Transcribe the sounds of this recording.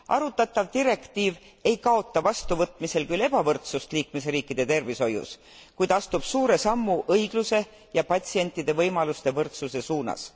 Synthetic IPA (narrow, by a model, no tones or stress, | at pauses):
ʔɑ̰ɾut̪ːˑɑt̪ˑːɑvt̪iɾe̞kt̪iːv | e̞jkɑo̞t̪ːˑɑvɑst̪uvɤt̪ˑmise̞lkyle̞b̥ɑvɤrt̪sust̪liːkmes̬riːkːˑid̪̥e̞t̪e̞rviso̞jṵs | kujd̪̥ɑst̪ub̥suːɾe̞sɑmːuʔɤjɡ̥luse̞ | jɑpɑt̪ʲsie̞nt̪ːˑid̪̥e̞vɤjmɑlust̪e̞vɤrt̪suse̞suːnɑ̰s